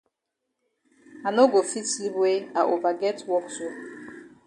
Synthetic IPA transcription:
a˨no˦ɡo˨fi˦tsli˦bwe˦a˨ʔo˨ba˨ɡɛ˦twɔ˦kso˦

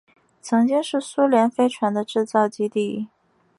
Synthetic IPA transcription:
t͡sʰɤ˧˥ŋt͡ɕi˥ŋʂɻ̩˥˩su˥ljɛ˧˥nfe˥ɪʈ͡ʂʰwa˧˥nd̪ə˧ʈ͡ʂɻ̩˥˧t͡sɑ˥˩ʊt͡ɕi˥t̪i˥˩˥

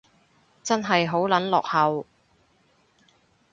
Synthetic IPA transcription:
t͡sɐ˥nɦɐ˨jɦo˨˥wlɐ˨˥nlɔ̰ː˨k̚hɐ˨˧w

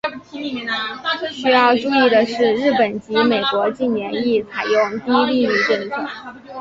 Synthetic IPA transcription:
ɕy˥jɑ˥˧ʊʈ͡ʂu˥˧i˥˩d̪ə˩ʂɻ̩˥˧ɻɻ̩˥˩pə˨˩nt͡ɕi˧˥me˨˩ɪkwɔ˧˥t͡ɕi˥˩nnjɛ˧˥ni˥˩t͡sʰa˨˩ɪjʊ˥˩ŋt̪i˥li˥˧y˥˧ʈ͡ʂə˥˩nt͡sʰɤ˥˩˦

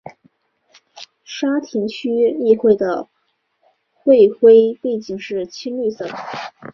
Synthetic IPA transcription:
ʂa˥t̪ʰi˧˥ŋt͡ɕʰy˥li˥˧xwe˥˩ɪd̪ə˩ | xwe˥˧ɪxwe˥ɪpe˥˧ɪt͡ɕi˥˩ŋʂɻ̩˥˩t͡ɕʰi˥nly˥˧sɤ˥˩d̪ə˩

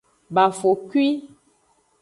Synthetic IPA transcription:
ba˨fo˨kwi˦

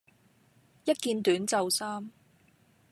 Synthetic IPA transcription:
jɐ˥t̚kiː˧nt̪yː˨˥nt͡sɐ˨˧wsaː˥m

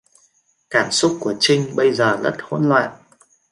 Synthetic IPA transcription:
kaː˧˩msʊ˦˥k͡p̚ku˧˩ət͡ɕï˧ŋ̟ɓə˧jzəː˨˩lə̰˦˥t̚ho̰˧˦nlwa̰ː˧˨jʔ

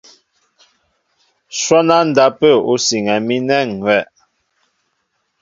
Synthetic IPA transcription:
swɔ˦na˦n̩˨da˦pə˦˨o˦si˨ŋɛ˨mi˦nɛ˦˨ŋwɛ˦˨

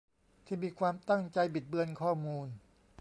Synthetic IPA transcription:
t̪ʰiː˥˩miː˧kʰwaː˧mt̪a˥˩ŋt͡ɕa˧jbi˨˩t̪̚bɯ˧ənkʰɔː˥˩muː˧n

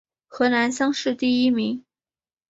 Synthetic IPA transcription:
xɤ˧˥na˧˥nɕjɑ˥ŋʂɻ̩˥˧t̪i˥˩i˥mi˧˥ŋ

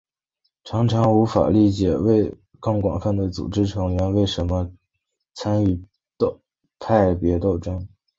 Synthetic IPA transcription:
ʈ͡ʂʰɑ˧˥ŋʈ͡ʂʰɑ˧˥ŋu˧˥fa̰˨˩li˥˩t͡ɕjɛ˨˩we˥˧ɪ | kɑ˥˩ŋkwɑ̰˨˩ŋfa˥˧nt͡s̪we˥˩t͡sṵ˨˩ʈ͡ʂɻ̩˥ʈ͡ʂʰɤ˧˥ŋlɥɛ˧˥nwe˥˩ɪʂə˧˥nmə˧ | t͡sʰa˥ny˥˩ | t̪ | pʰa˥˩ɪpjɛ˧˥t̪o˥˧ʊʈ͡ʂɤ˥ŋ

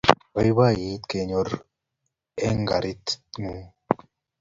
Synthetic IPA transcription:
wajba˦ji˦t̪keɲoɾ | e˦ŋɡa̰˨ɾit̪ŋu˦

